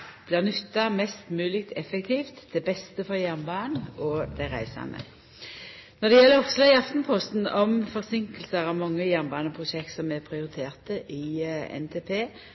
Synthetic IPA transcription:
b̥lɪːʁnʏt̪ːɑmɛst̪mʉːlɪk̚t̪ʰɛfɛkt̪ʰiːft̪d̪ɛbɛst̪əfɔʁjæʁnbɑːnɔd̪æʁæ̰ɪsɑ̰nə̰ | nɔʁd̪ɛjɛlːəɾɔpslɑɪɑft̪npʰɔst̪nɔmfɔʁsɪŋkəlsəʁɑʋmɑŋːəjæʁnbɑːnɔpʰʁʊʃɛk̚t̪sɔmɛpʰʁɪʊʁɪt̪ʰeːʁt̪əʔɪɛ̰nt̪ʰeːpʰeː

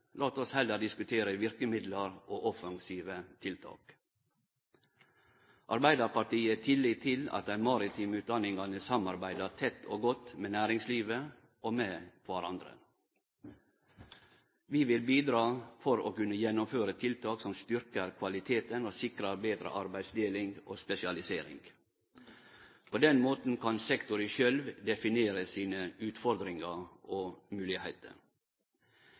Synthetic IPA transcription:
lɑːt̪ɔshɛlːəɖ̪ɪskʉt̪ʰeːɾəʋɪɾkəmɪd̪ləɾʔoːʔɔfɑŋsiːʋət̪ʰɪlt̪ʰɑ̰ːk | ʔɑɾbæɪd̪ɑɾpɑʈiːət̪ʰɪlːiːt̪ʰːɪlɑ̰t̪̚æɪnmɑɾɪt̪ʰiːmʉːd̪ɑnɪŋɡɑnəsɑmɑɾbæɪd̪ət̪ʰɛt̪ʰːoːɡɔt̪meːnæːɾɪŋsliːʋə | ʔoːmeːkʋæɾɑnd̪ɾə̰ | ʋiːʋɪlbiːd̪ɾɑːfɔɾo̰ːkʉnːəjɛnːʊmføːɾət̪ʰɪlt̪ʰɑːksɔmst̪ʏɾkəɾkʰʋɑlɪt̪ʰeːt̪ənoːsɪkɾɑɾbeːd̪ɾə̰ʔɑɾbæɪd̪sd̪eːlɪŋɡo̰ːspɛsɪɑlɪseːɾɪ̰ŋɡ | pʰoːd̪ɛnmoːt̪n̩kʰɑnsɛkt̪ʊɾəʃœlʋd̪ɛfɪneːɾəsiːnəʉːt̪fɔɾd̪ɾɪŋɑʔoːmʉːlɪheɪt̪ʰə̰ɾ

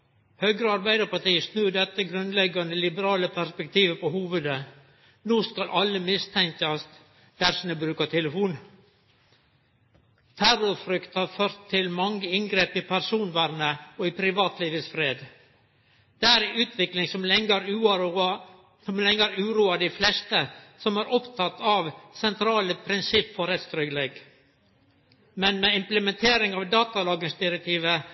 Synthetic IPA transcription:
høːɡɾəɑɾbæɪd̪əɾpɑʈiːəsnʉːɖɛt̪ːəɡɾʉnlɛɡɑnd̪əlɪbəɾɑːləpʰæɾspɛkt̪ʰiːʋəpɔhuːʋʉd̪ə | nuːskɑlʔɑlːəmɪst̪ʰɛŋkɑst̪ | d̪̥æɾsɪnəbɾʉːkɑt̪ʰɛləfuːn | t̪ʰærʊɾfɾʏkt̪hɑɾføːɾt̪ʰːɪlmɑŋːəɪŋɡɾeːpɪpʰæɾsuːnʋæːɾnəɔɪpʰɾɪʋɑːt̪liːʋəsfɾeːd̪ | d̪̥ɛæɾɛʉːt̪ʰʋɪklɪŋsɔmlɛŋəɾʉ | sɔmlɛŋːəɾʉːɾuːɑd̪ɪflɛst̪əsɔmæɾʔɔpt̪ʰɑt̪ːɑʋsɛnt̪ʰɾɑːləpʰɾɪnsɪpːfɔɾɛt̪st̪ɾʏɡleɡ | mɛnmɛɪmpləmɛnt̪ʰeːɾɪŋɑʋd̪ɑːt̪ɑlɑːɡənsd̪ɪɾɛk̚t̪ʰiːʋə

